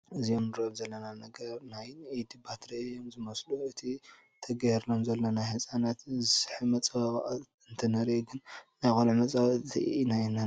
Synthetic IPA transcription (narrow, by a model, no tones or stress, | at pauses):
ʔɨziomnɨɾoβzɐlːɐnanɐɡɐɾnajid̪ibat̪ʰɾejo̞mzɨmɐsluɨt̪ʰi | t̪ʰɐɡɐjɾlomzɐlːonajhɨsʼanat̪zɨsɨħɨmɐt͡sʼɐa | ɨnt̪ʰɐnɐɾiɡɨnnajxʼolʕɨmɐt͡sʼawt̪ʰḭinajna